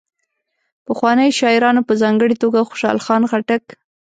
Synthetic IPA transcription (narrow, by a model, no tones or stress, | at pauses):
pəxwɑnəjʃɑɪɾɑnopəzɑŋɡəɽit̪oɡaxʊ̥ʃɑ̰lxɑnxaʈak